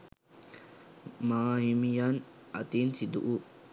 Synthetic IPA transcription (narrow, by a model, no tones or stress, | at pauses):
mahimijanat̪insid̪uʔu